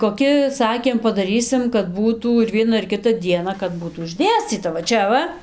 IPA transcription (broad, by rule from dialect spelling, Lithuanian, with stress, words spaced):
koːˈkʲɪ ˈsɑːkʲeːm pɐdɐˈrʲiːsʲɪm kɐt ˈbuːtuː ɪr ˈʋʲiɛnɐ ɪr ˈkʲɪtɐ ˈdʲiɛnɐ kɐt ˈbuːtuː ɪʒʲˈdʲeːsʲt͡sʲiːtɐ ʋɐ ˈt͡ʃʲɛ ʋɐ